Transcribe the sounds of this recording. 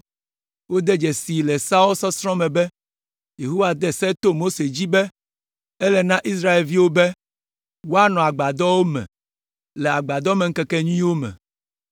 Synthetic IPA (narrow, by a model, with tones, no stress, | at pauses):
wo˦d̪ɛ˦d͡ʒɛ˨si˨lɛ˨sa˦o˦lsɔ˦sɾɔ̃˦mɛ̃˨bɛ˦ | je˨ɦo˦wa˨d̪ɛ˦sɛ˦t̪o˦mo˦se˨d͡ʑi˦bɛ˦ | ɛ˦lɛ˨nã˦ʔi˦s̬ɾa˦e˨lvi˦wo˦bɛ˦ | wo˦a˦nɔ̃˨a˨ɡ͡ba˨d̪ɔ˦wo˦mɛ̰̃˨ | lɛ˨a˨ɡ͡ba˨d̪ɔ˦mɛ̃˨ŋ̩˦kɛ˦kɛ˦ɲũ˦ĩ˦wo˦mɛ̰̃˨